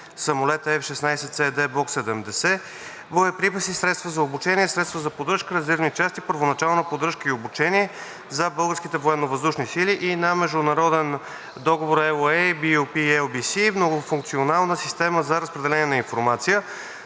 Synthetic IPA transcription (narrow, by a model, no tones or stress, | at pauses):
sɐmolɛt̪əɛfʃɛsnajsɛt̪sɛd̪ɛblˠɔksɛd̪ɛmd̪ɛsɛ | voɛpɾipəsisɾɛt̪st̪vəzɐobut͡ʃɛnʲiɛsɾɛt̪st̪vəzɐpod̪ɾəʃkəɾɛzɛɾvnit͡ʃast̪ipəɾvonɐt͡ʃalˠnəpod̪ɾɤʃkəiobut͡ʃɛniɛ | zɐbɤlˠɡəɾskit̪ɛvoɛnːovəzd̪uʃnisiliʔinɐmɛʒd̪ʊnɐɾɔd̪ɛn | d̪ɔɡovoɾɛlˠɛjbiupiɛlˠbisimnoɡʊfuŋk̚t̪sionalˠnəsist̪ɛməzɐɾəspɾɛd̪ɛlɛniɛnɐinfoɾmat̪sijə